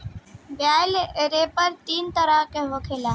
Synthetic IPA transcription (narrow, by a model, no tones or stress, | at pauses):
bjaːlɾeːpəɾt̪iːnt̪əɾaːkeɦoːkʰeːlaː